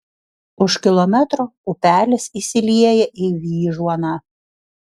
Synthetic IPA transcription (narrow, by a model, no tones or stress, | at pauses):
ʊʃkʲɪlˠɔmʲɛt̪ɾoːʊpʲæːlʲɪsisʲɪlʲiɛjɛʔɪʋʲiːʒuɔnɐ